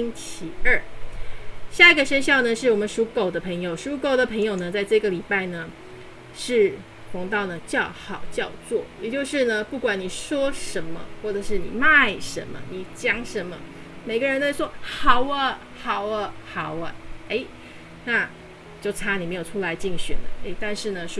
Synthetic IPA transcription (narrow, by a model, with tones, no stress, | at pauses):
i˥ŋt͡ɕʰi˧˥ə˥˩ | ɕja˥˩i˧ɡə˨˩ʂə˥nɕjɑ˥˩ʊnə˩ʂɻ̩˥˩wɔ˨˩mə˧˦nʂu˧˥ko˨˩ʊd̪ə˦pʰɤ˧˥ŋjo˨˩ʊʂu˧˥ko˨˩ʊd̪ə˦pʰɤ˧˥ŋjo˨˩ʊnə˩t͡sa˥˧ɪʈ͡ʂɤ˥˩ɡə˩li˨˩pa˥˩ɪnə˩ | ʂɻ̩˥˩ | xwɑ˧˥ŋt̪ɑ˥˩ʊnə˩t͡ɕjɑ˥˩ʊxɑ˨˩ʊt͡ɕjɑ˥˧ʊt͡swɔ˥˩jɛ˨˩t͡ɕjo˥˧ʊʂɻ̩˥˩nə˩pu˥˩kwa˨˩nni˨˩ʂwɔ˥ʂə˧˥nmə̰˧xwɔ˥˩ʈ͡ʂə˨˩ʂɻ̩˥˩nḭ˨˩ma˥˩ɪʂə̰˧˥nmə̰˧ni˨˩t͡ɕjɑ˥ŋʂə˧˥nmə̰˧ | me˨˩ɪɡə˦ɻə˧˥nt̪ə˥˧ɪswɔ˥xɑ˨˩ʊə˧˦ | xɑ˨˩ʊə˧xɑ˨˩ʊə˧˦e˥˩ɪ | na˥˧ | t͡ɕjo˥˩ʊt͡sʰa˥ni˨˩me˧˥ɪjo˨˩ʊʈ͡ʂʰu˥la˧˥ɪt͡ɕi˥˩ŋɕɥɛ̰˨˩nd̪ə̰˦e˥˩ɪt̪a˥˧nʂɻ̩˥˩nə˩ʂ